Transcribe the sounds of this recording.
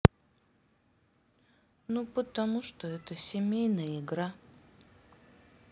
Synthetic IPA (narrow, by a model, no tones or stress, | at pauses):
nupət̪ɐmuʂt̪oɛt̪əsʲɪmʲejnəjəɪɡɾa